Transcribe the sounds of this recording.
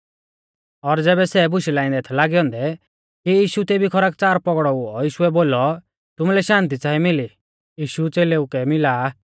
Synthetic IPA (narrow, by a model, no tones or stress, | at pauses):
ɔɾd͡zɛːbɛsɛbʊʃilaːɪ̃nd̪ɛːt̪ʰɛlaːɡiɔ̃ːnd̪ɛ | kijiːʃut̪eːbʱikʰɔɾaːk̚t͡saːɾpɔɡɽɔuɔjiːʃuɛboːlɔ | t̪ʊmulɛʃãːnt̪̬it͡saːimɪli | jiːʃut͡seːleukɛmɪlaː